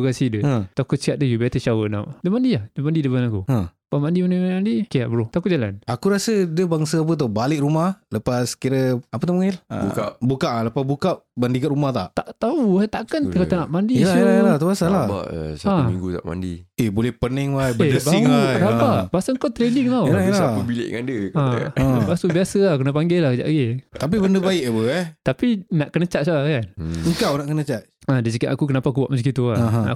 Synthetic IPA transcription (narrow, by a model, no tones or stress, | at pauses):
kasidət̪akʊt̪̚siaʔ̚dəjubɛt̪ət͡ʃawəna̰wʔdəmandiahdəmandidəbanakua | pamandimandimaimandikiaʔbəɾot̪akʊʔd͡ʒala̰nakuɾasədəbaŋsaap̬ət̪̬obalɪʔɾumahləpaskiɾəapət̪omuŋil̰bukaʔbukaʔləpasbukaʔbandikat̪ʔɾumaht̪a̰ʔt̪aʔt̪auat̪aʔkənkat̪anaʔmandilaalat̪aasalaa̰ʔsaamḭŋɡut̪a̰ʔma̰ndḭebolɛhpənɛŋwajbəedəiŋwajdapabasəŋkawt̪ɾediŋlalaəbilɪ̰ʔŋandəka̰basubiasəlahkənapaŋɡɛlahkəd͡ʒa̰ʔɡet̪ap̬ibəndəbaɪʔk̚abəɛt̪apinaʔkənət͡ʃaʔ̪̚saakanəŋkawnaʔkənət͡ʃat̪̚ | adisəkaʔ̪a̰kukənapaakubaʔməskit̪uana̰